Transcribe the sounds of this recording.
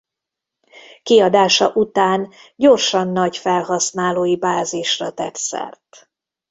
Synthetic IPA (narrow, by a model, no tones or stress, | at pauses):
kiɒd̪aːʃɒʔut̪aːnɟo̞rʃɒnːɒɟfɛlɦɒsnaːloːjibaːziʃrɒt̪ɛ̰t̪sɛ̰rt̪